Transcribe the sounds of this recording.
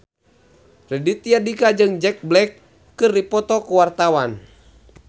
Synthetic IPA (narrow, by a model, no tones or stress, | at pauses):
rɛdit̪iadikad͡ʒɨŋd͡ʒɛk̚blɛkː | ɨrdipɔt̪ɔkuwart̪awan